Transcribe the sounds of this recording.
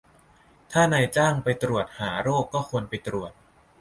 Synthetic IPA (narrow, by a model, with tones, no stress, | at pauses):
t̪ʰaː˥˩na˧jt͡ɕaː˥˩ŋpa˧jt̪ɾu˨˩ət̪̚haː˩˦ɾoː˥˩kːɔː˥˩kʰu˧ənpa˧jt̪ɾu˨˩ət̪̚